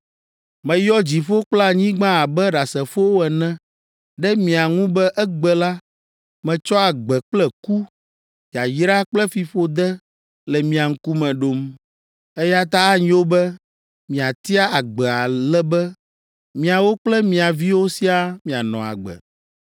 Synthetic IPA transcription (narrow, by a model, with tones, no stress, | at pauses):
mɛ̃˨jɔ˦d͡ʑi˨ɸo˦k͡pla˨ɲĩ˦ɡ͡bã˦a˨bɛ˦ɖa˨sɛ˨fo˦wo˦ɛ˨nɛ̃˦ | ɖɛ˦mĩ˨a˨ŋũ˦bɛ˦ʔɛ˦ɡ͡bɛ˦la˦ | mɛ̃˨t͡ʃɔ˦a˨ɡ͡bɛ˨k͡plɛ˦ku˦ | ja˨jɾa˦k͡plɛ˦fi˨ɸo˦d̪ɛ˦ | lɛ˨mĩ˨a˨ŋ̩˦ku˦mɛ̃˨ɖo˨m | ɛ˦ja˦t̪a˦a˦ɲĩ˦wo˦bɛ˦ | mĩ˨a˨t̪i˦a˦a˨ɡ͡bɛ˨a˨lɛ˦bɛ˦ | mĩ˨a˨wo˦k͡plɛ˦mĩ˨a˨vi˦wo˦si˦a˦mĩ˨a˨nɔ̃˨a̰˨ɡ͡bɛ̰˨